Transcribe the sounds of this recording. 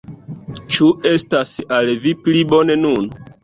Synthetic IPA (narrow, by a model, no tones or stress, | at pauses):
t͡ʃue̞stasalviplibo̞ne̞nun